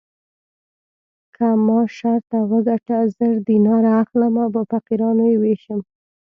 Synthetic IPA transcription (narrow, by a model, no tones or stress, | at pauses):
kʰamɑʃaɾt̪awəɡaʈazəɾd̪inɑɾaːxlamabəfaqiɾɑnojeweʃəm